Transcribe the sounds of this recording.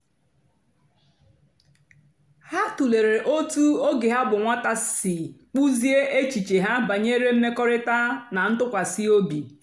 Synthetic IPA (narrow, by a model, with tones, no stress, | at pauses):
ha˦tu˨le˨ɾe˨ʔo˦tu˦o˦ɡe˨ɦa˦bʊ˨ŋʷa˦ta˦sɪ˨k͡pu˦zi˦e˦ʔe˦t͡ʃi˨t͡ʃe˨ɦa˦ba˨ɲe˦ɾe˦m̩˦me˦kɔ˦ɾɪ˦ta˦na˨n̩˦tʊ˦kʷa˨si˦o˦bi˨